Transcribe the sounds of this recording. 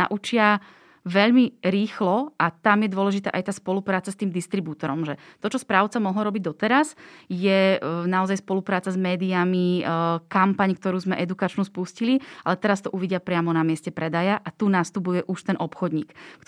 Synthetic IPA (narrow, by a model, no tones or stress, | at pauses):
a̰ʔut͡ʃɪa | ʋɛʎmiɾiːxlɔʔat̪amjɛd̪ʊɔlɛʒit̪a̰ːʔajt̪aːspɔlupɾaːt͡sast̪iːmd̪ist̪ɾibuːt̪ɔɾɔmʒɛt̪ɔt͡ʃɔspɾaːʊt͡samɔɦlɾɔbiɟd̪ɔt̪ɛɾasjɛnaɔzajspɔlupɾaːt͡sazmɛːd̪iamikampaɲkt̪ɔɾuːzmɛʔɛd̪ukat͡ʃnuspuscilialɛt̪ɛɾast̪ɔʔuʋiɟɪapɾɪamɔnamɪɛscɛpɾɛd̪ajaʔat̪unast̪upujɛʔuʃt̪ɛnʔɔpxɔd̪ɲḭːkkt̪